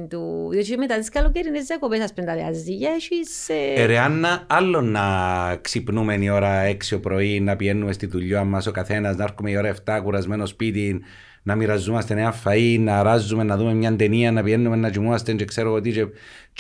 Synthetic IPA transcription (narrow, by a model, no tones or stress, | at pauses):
nt̪ujot͡ʃimet̪ad̪iskalokɛɾinezːɛkobesaspend̪aleazːijɛt͡ʃiseeɾeanːaalːonːaksipnumenioɾaɛksiopɾoinapiɛnːumest̪it̪uʎːoamːasokaθɛnasnaɾkumeioɾaeft̪akuɾazmenospit̪i | namiɾazːumast̪eneafːainːaɾazːumenːaðumemɲand̪enianːapiɛnːumenːat͡ʃimuast̪ent͡ʃeksɛɾokot̪it͡ʃe | t͡ʃ